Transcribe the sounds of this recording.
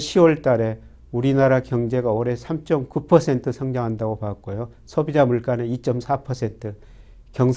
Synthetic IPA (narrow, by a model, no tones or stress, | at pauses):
ɕʰiwʌɭt͈aɾe̞ | uɾinaɾakjʌŋd͡ʑe̞ɡaoɾe̞sʰamt͡ɕ͈ʌmkupʰʌsʰe̞ntʰɯsʰʌŋd͡ʑʌŋɦandaɡopak̚k͈ojo | sʰʌbid͡ʑamuɭk͈aneit͡ɕ͈ʌmsʰapʰʌsʰe̞ntʰɯ | kjʌŋsʰ